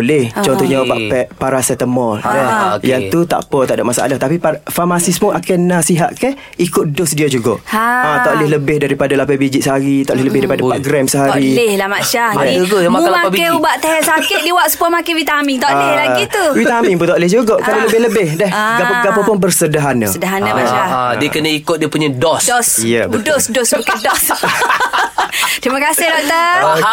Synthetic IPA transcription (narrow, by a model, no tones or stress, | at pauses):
lɛht͡ʃɔnt̪ɔɲapa̰ʔpɛpaɾasɛt̪əmɔljaŋt̪ut̪a̰ʔpət̪aʔdaʔmasaʔa̰laht̪apipafamasispʊnakɛnasiɦaʔkɛh | ikʊt̪̚dosdiad͡ʒuɡa̰aɔʔlɪhləbɪhdaɾipadalapabid͡ʒit̪̚səɦaɾit̪ɔʔlɪhləbɪhdaɾipadapaʔɡɾɛmsəɦaɾihlahmaʃahɛuɡoalaakɛubaʔt̪aɦɛsakɪt̪̚diwaʔsə̥puamakɛwit̪amiŋt̪ɔʔlhlaɡit̪uwit̪amiŋpunt̪ɔʔlɪhd͡ʒuɡaʔkadaləbɪhləbɪhdɛhɡapəɡapəpʊnpərsədaɦana̰sədaɦanama̰ʃadiəkənəikʊt̪̚diapuɲadɔsdɔsjəbdosdosmakadɔs | t̪ɾimakasɪhdɔk̚t̪ə